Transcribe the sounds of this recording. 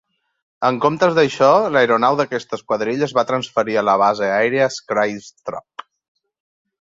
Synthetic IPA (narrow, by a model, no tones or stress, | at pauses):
əŋkomt̪əzðəʃɔləjɾunawðəkɛst̪əskwəðɾiʎəzβat̪ɾənsfəɾiələβ̞azeajɾeəskɾajst̪ɾɔ̰p̚